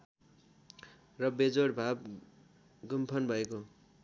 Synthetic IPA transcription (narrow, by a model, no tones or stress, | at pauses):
rʌbed͡zoɽbʱab̚ | ɡumpʰʌnbʱʌeko